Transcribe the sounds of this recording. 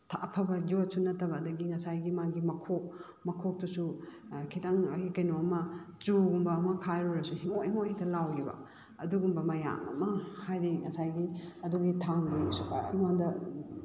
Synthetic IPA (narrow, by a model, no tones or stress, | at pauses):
tʰapʰɐbɐd͡ʒosunɐtːɐbɐːdɐɡiŋɐsajɡimaɡimɐkʰok̚ | mɐkʰok̚dusu | kʰitaŋɐhikɐjnoɐmɐt͡ʃuɡumbɐːmɐkʰajɾuɾɐsuhiŋohiŋohitʰɐlawɡibɐ̰ | ɐ̰duɡumbɐmɐja̰ŋɐ̰mɐhajɾiŋɐsajɡiɐduɡitʰaŋdiiŋaŋdɐ